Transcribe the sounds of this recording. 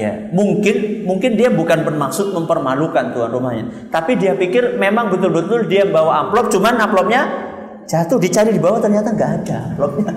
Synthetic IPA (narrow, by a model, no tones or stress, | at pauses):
ja̰muŋkɪnmuŋkɪndiabukanpənmaksʊt̪̚məmpərmalukant̪uanrumahɲa̰t̪apidiapikɪrmemaŋbət̪ʊlbət̪ʊldiabawaaplɔp̚t͡ʃumanaplɔp̚ɲa | d͡ʒat̪ʊhdit͡ʃaɾidibawat̪ərɲat̪aŋɡaʔːdaaplɔp̚ɲa